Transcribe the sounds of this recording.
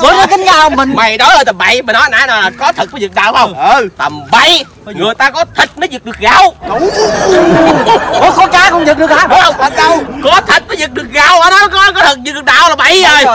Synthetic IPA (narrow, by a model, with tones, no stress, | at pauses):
ɓo˨˦nɔ˨˦k̪ï˨˦ŋka˧ə˧mï˨˩ŋma˨˩jɗɔ˨˦jhəː˧˩t̪ə˨˩mɓa̰˧˨jmə˨˩nːɔ˨˦˨naː˧˨˦nɔ˨jlaː˨˩kɔ˨˦t̪ʰɨ˨˩t̚vzɨ˨˩k̚ɗa̰ː˧˨wə˧wŋ͡mt̪ə˨˩mɓa˧˨j | ŋɨ˨˩əjt̪aː˧kɔ˨˦t̪ʰi˨˩t̚mə˨˦jzɨ˨˩k̚ɗɨ˨˩ək̚ɣaː˨w | kɔ˨˦kɔ˨˦kaː˨˦kɔ˧ŋ͡mzɨ˨˩k̚ɗɨ˨˩ək̚aː˨˦ɗʊ˨˦ŋ͡mhə˧wŋ͡mkɔ˨˦t̪ʰi˨˩t̚nə˨˦jzɨ˨˩k̚ɗɨ˨˩ək̚ɣaː˨˩whaː˨˧˦n˨˦kɔ˨˦kɔ˨˦t̪ʰɨ˨˩k̚zɨ˨˩kɗɨ˨˩k̚ɗa̰ː˧˨wlaː˨˩ɓa̰˧˨jəː˨˩j